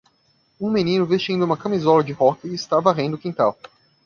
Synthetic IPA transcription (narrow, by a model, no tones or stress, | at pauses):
ũmenĩnʊvest͡ʃĩnd̪ʊumɐkɐmizɔlɐd͡ʒɪhɔkɪɪst̪avɐaʁẽnd̪ʊkĩt̪aw